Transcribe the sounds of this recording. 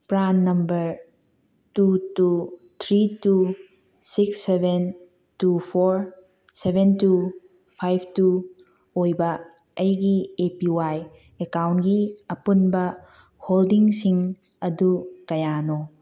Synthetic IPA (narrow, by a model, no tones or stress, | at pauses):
pɾanːɐmbɐɾ | tutu | t̪ʰɾitu | siksːebʱen | tupʰoɾ | sebʱentu | pʰajpʰtu | ojbɐ | ɐjɡiepiwaj | ekawntɡiɐpunbɐ | holdiŋsiŋ | ɐdukɐjano